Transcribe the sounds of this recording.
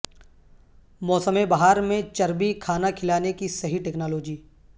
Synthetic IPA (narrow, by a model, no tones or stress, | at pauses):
mɔːsəmebaɦaːɾmẽt͡ʃɐɾbikʰaːnakʰɪlaːnekisɐɦiʈeːknaːloːd͡ʒiː